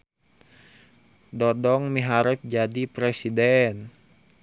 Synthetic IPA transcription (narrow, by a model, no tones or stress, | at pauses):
dɔdɔŋmiɦaɾɛp̚d͡ʒadipɾɛsidɛn